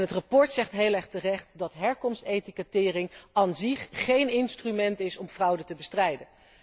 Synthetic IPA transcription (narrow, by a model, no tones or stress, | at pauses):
nɦətrɑpɔɹtsɛχtɦejlɛχtərɛχtdɑtɦɛɹkɔmstejtikətɪːrɪŋanziχχejnɪnstrymɛntɪsɔmvrɑwdətəbəstrɛjdən